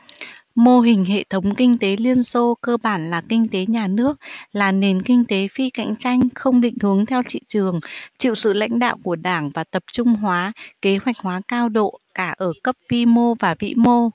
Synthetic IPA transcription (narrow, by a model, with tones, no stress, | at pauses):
mo˧ɦï˨˩ŋ̟ɦḛ˧˨t̪ʰə˨˦wŋ͡mkï˧ŋ̟t̪e˨˦li˧ənso˧kəː˧ɓaː˧˩nlaː˨˩kï˧ŋ̟t̪e˨˦ɲaː˨˩nɨ˦˥ək̚laː˨˩ne˨˩nkï˧ŋ̟t̪e˨˦fi˧ka̰˧˨jŋ̟t͡ɕa˧jŋ̟xə˧wŋ͡mɗḭ̈˧˨ŋ̟hɨ˨˦əŋt̪ʰɛ˧wt͡ɕḭ˧˨t͡ɕɨ˨˩əŋt͡ɕḭ˧˨wsɨ̰˧˨la̰˧˥jŋ̟ɗa̰ː˧˨wku˧˩əɗaː˧˩ŋvaː˨˩t̪ə˨˩p̚t͡ɕʊ˧ŋ͡mɦwaː˨˦ke˨˦ɦwa˨˩jk̟̚hwaː˨˦kaː˧wɗo̰˧˨kaː˧˩ʔəː˧˩kə˦˥p̚vi˧mo˧vaː˨˩vḭ˧˥mo˧